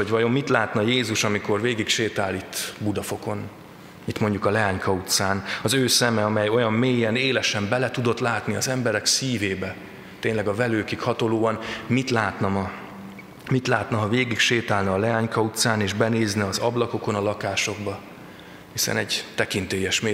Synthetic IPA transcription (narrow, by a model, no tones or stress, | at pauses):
oɟvɒjo̞mːit̪laːt̪nɒjeːzuʃɒmiko̞rveːɡikʃeːt̪aːlːit̪ːbud̪ɒfo̞ko̞n | it̪mo̞ɲɟukɒlɛaːɲkʰɒut̪saːnɒzøːsɛmɛɒmɛjo̞jɒmmeːjɛneːlɛʃɛmbɛlɛt̪ud̪o̞t̪laːt̪niɒzɛmbɛɾɛksiːveːbɛ | t̪eːnlɛɡɒvɛløːkikhɒt̪oloːɒnmit̪laːt̪nɒmɒ | mit̪laːt̪nɒɦɒveːɡikʃeːt̪aːlnɒːlɛaːɲkɒut̪saːneːʒbɛneːznɛɒzɒblɒko̞ko̞nɒlɒkaːʃo̞ɡbɒ | hisɛ̰nɛɟt̪ɛkint̪eːjɛʃme